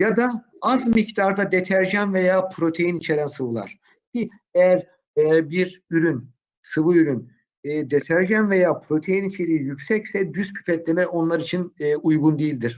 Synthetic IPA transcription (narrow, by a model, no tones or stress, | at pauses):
jad̪a | azmict̪aɾd̪ad̪et̪ʰæɾʒænve̞jaːpʰɾo̞t̪ʰe̞jinit͡ʃʰe̞ɾænsɯvɯlˠa̰ɾ̥ | bi | ejæɾ | ɛbiɾyɾyn | sɯvɯyɾynː | d̪et̪ʰæɾʒænve̞jaːpʰɾo̞t̪ʰe̞jinit͡ʃʰe̞ɾiːjycsɛcsɛd̪yscʰy̥pʰɛt̪lʲe̞mɛʔo̞nlˠaɾit͡ʃʰinːujɡund̪ejilʲd̪iɾ̥